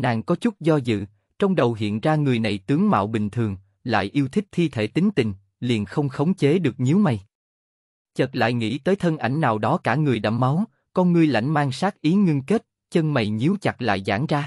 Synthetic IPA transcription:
naː˨˩ŋkɔ˨˦t͡ɕʊ˦˥t̚zɔ˧zɨ̰˧˨ | t͡ɕɔ˧wŋ͡mɗə˨˩wɦḭ˧˨ənzaː˧ŋɨ˨˩əjna˨˩jt̪ɨ˨˦əŋma̰ː˧˨wɓï˨˩ŋ̟t̪ʰɨ˨˩əŋ | la̰ː˧˨jʔi˧əwt̪ʰï˦˥k̚t̪ʰi˧t̪ʰe˧˩t̪ï˨˦ŋ̟t̪ï˨˩ŋ̟ | li˨˩ənxə˧wŋ͡mxə˨˦wŋ͡mt͡ɕe˨˦ɗɨ˨˩ək̚ɲi˨˦əwma˨˩j | t͡ɕə˨˩t̚la̰ː˧˨jŋḭ˧˥t̪əː˨˦jt̪ʰə˧nʔa˧˩jŋ̟naː˨˩wɗɔ˨˦kaː˧˩ŋɨ˨˩əjɗa̰ː˧˩ma˨˦w | kɔ˧nŋɨ˧əjla̰˧˩jŋ̟maː˧ŋsaː˦˥k̚ʔi˨˦ŋi˧ŋke˦˥t̚ | t͡ɕə˧nma˨˩jɲi˨˦əwt͡ɕa˨˩t̚la̰ː˧˨jza̰ː˧˩ŋzaː˧

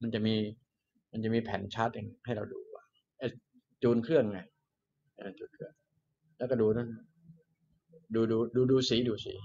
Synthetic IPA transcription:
ma˧nt͡ɕa˨˩miː˧ | ma˧nt͡ɕa˨˩ʔmiː˧pʰɛː˩˦nt͡ɕʰa˦˥˩t̪̚ja˧ŋha˥˩jɾa˧wduː˧ka̰ː˧˩ | ʔɛː˧˩ | t͡ɕuː˧nkʰɯ˥˩əŋːa˧˩j | ʔa̰ː˧˩t͡ɕuː˧nkʰɯ˥˩əŋ | lɛː˦˥wkɔː˥˩duː˧ɾn˦˥˩ | duː˧duː˧duː˧duː˧siː˩˦duː˧sḭː˩˦

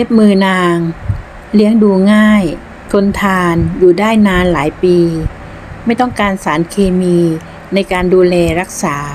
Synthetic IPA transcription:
le˦˥p̚mɯː˧naː˧ŋ | li˦˥əŋduː˧ŋaː˥˩j | t̪ʰo˧nt̪ʰaː˧njuː˨˩daː˥˩jnaː˧nlaː˩˦jpiː˧ | ma˥˩jt̪ɔ˥˩ŋkaː˧nsaː˩˦nkʰeː˧miː˧ | na˧jkaː˧nduː˧lɛː˧ɾa˦˥k̚saː˩˦

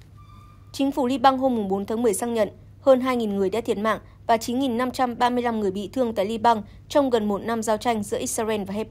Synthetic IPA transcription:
t͡ɕï˨˦ŋ̟fu˧˩li˧ɓa˧ŋɦo˧mːʊ˨˩ŋ͡mɓo˨˦nt̪ʰaː˨˦ŋmɨ˨˩əjsaː˧ŋɲə̰˧˨n | həː˧nɦaː˧jŋi˨˩nŋɨ˨˩əjɗa̰ː˧˥t̪ʰi˧˩t̚ma̰ː˧˨ŋ | vaː˨˩t͡ɕi˨˦nŋi˨˩nːa˧mt͡ɕa˧mɓaː˧mɨ˧əjla˧mŋɨ˨˩əjɓḭ˧˨t̪ʰɨ˧əŋt̪a̰ː˧˨jli˧ɓa˧ŋ | t͡ɕɔ˧wŋ͡mɣə˨˩nmo˨˩t̚na˧mzaː˧wt͡ɕa˧jŋ̟zɨ̰˧˥ʔi˦˥t̚sa˧vɛ˧nvaː˨˩hɛ˦˥p̚

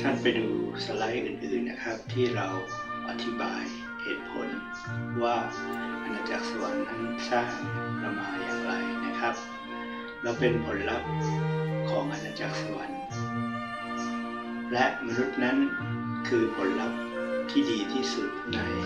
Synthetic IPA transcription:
t̪ʰa˥˩npa˧jduː˧sa˧la˦˥jʔɯː˨˩nʔɯː˨˩nːa˦˥kʰa˦˥p̚t̪ʰiː˥˩ɾa˧w | ʔa˧t̪ʰi˦˥ba̰ː˧j | hḛː˨˩t̪̚pʰo̰˩˦n | waː˥˩ | ʔa˧nːaː˧t͡ɕa̰ː˨˩ksa˧wa˧˦nːa˥˩n˥saː˥˩ŋɾa˧mːaː˧la˨˧˩pa˧jna˦˥kʰa˦˥p̚ | ɾa˧wpe˧npʰo˩˦nɾa˦˥p̚kʰɔː˩˦ŋʔa˧naː˧t͡ɕa̰ː˨˧˩sa˧wa˧˦n | lɛ˦˥ʔma˧nu˦˥t̪̚na˦˥n | kʰɯː˧pʰo˩˦nɾa˦˥p̚ | t̪ʰiː˥˩diː˧t̪ʰiː˥˩su˨˩t̪̚na˧j

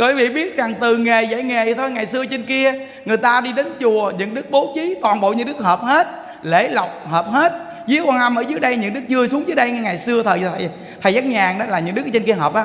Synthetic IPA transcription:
wi˨˦vḭ˧˨ɓi˦˥ət̚za˨˩ŋt̪ɨ˨˩ŋe˨˩za̰˧˩jŋe˨˩t̪ʰo˧jŋa˨˩jsɨ˧ət͡ɕi˧ŋ̟ki˧ə | ŋɨ˨˩əjt̪aː˧ɗi˧ɗe˨˦nt͡ɕu˨˩əɲɨ̰˧˥ŋɗɨ˦˥k̚ɓo˨˦t͡ɕi˨˦t̪waː˨˩nɓo̰˧˨ɲɨ̰˧˥ŋɗɨ˦˥k̚həː˨˩p̚he˦˥t̚ | lḛ˧˩la˨˩wk͡p̚həː˨˩p̚he˦˥t̚ | zɨ˨˦əkwaː˧˩ʔa˧mʔəː˧˩zɨ˨˦əjɗə˧jɲɨ̰˧˥ŋɗɨ˦˥k̚t͡ɕɨ˧əsu˨˦əŋzɨ˨˦jɗə˧jŋ˧ŋa˨˩jsɨ˧ət̪ʰəː˨˩jzt̪ʰ | t̪ʰə˨˩jzaː˦˥k̚ɲaː˨˩ŋɗɔ˨˦laː˨˩ɲɨ̰˧˥ŋɗɨ˦˥k̚ːt͡ɕi˧nki˧əɦəː˨˩p̚ʔaː˧˨

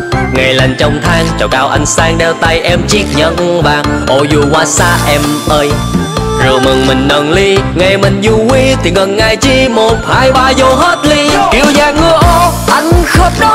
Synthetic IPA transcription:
ŋa˨˩jla˨˩ŋ̟t͡ɕɔ˧wŋ͡mt̪ʰaː˧ŋt͡ɕɔ˨˩kaː˧wʔa˧jŋ̟saː˧ŋɗɛ˧wt̪a˧jʔɛ˧mt͡ɕi˦˥ək̚ɲə̰˧˥nɓaː˨˩ŋʔo˧˩zu˧˩kwaː˧saː˧˥ʔɛ˧m | ʔəː˧j | zɨ˨˩əmɨ˨˩ŋmï˨˩ŋ̟nəː˨˩nli˧ŋa˧˩jmï˨˩ŋ̟zu˧ki˧t̪ʰi˨˩ŋə˨˩nŋa˨˩jt͡ɕi˧mo˨˩t̚haː˧jɓaː˧zo˧ɦəː˦˥t̚li˧ki˧˩əwzaː˧˩ŋːɨ˧əʔo˧ʔa˧jŋ̟xə˦˥wŋ͡m̚ɗɔ˧˦

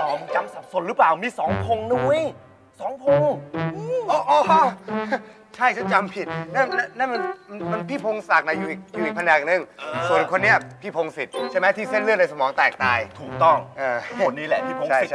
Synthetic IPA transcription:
ɔ˨˩˧t͡ɕa˧msa˨˩p̚so˨˩ɾɯ˦˥plaː˨˩wmiː˧sɔː˩˦ŋpʰo˧ŋnu˦˥˩j | sɔː˩˦ŋpʰo˧ŋʔːʔɔː˧˩ʔɔː˧˩˧ | t͡ɕʰa˥˩jka˦˥˩t͡ɕa˧mpʰi˨t̪̚na˥˩na˦˥˩na˥˩nma˧n˧ma˧npʰiː˥˩pʰo˧ŋsa˨˩k̚na˨˦juː˨˩iː˨˩k̚juː˨ʔi˨k̚pʰa˧nɛː˨˩k̚nɯ˧˩ŋsu˨˩ənkʰo˧nːi˦˥˩ɐpʰiː˥˩pʰo˧ŋsi˨˩t̪̚t͡ɕʰa˥˩mɛ˦˥t̪ʰiː˥˩se˥˩nlɯ˥˩ət̚na˧jsa˧mɔː˩˦ŋt̪ɛː˨˩k̚t̪aː˧jt̪ʰuː˨˩k̚t̪ɔ˥˩ŋʔaː˧˩o˧nːiː˦˥lɛ˧˩p̪ʰiː˥˩o˧a˥˩˨

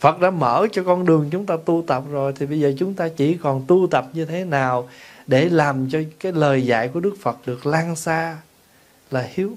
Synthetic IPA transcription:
fə˨˩t̚ɗa̰ː˧˥mə̰ː˧˩t͡ɕɔ˧kɔ˧nɗɨ˨˩əŋt͡ɕʊ˨˦ŋ͡mt̪aː˧t̪u˧t̪ə˨˩p̚zo˨˩jt̪ʰi˨˩ɓə˧jzəː˨˩t͡ɕʊ˨˦ŋ͡mt̪aː˧t͡ɕi˧˩kɔ˨˩nt̪u˧t̪ə˨˩p̚ɲɨ˧t̪ʰe˨˦naː˨˩wɗe˧˩laː˨˩mt͡ɕɔ˧kaː˨˦jləː˨˩jza̰ː˧˨jku˧˩əɗɨ˦˥k̚fə˨˩t̚ɗɨ˨˩ək̚laː˧nsaː˧ | laː˨˩hi˨˦əw

